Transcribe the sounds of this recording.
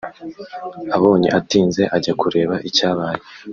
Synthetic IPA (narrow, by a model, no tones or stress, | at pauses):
aβo̞ːɲḭʔatiːnze̞ʔaɟakuɾe̞ːβaʔicaːβaːje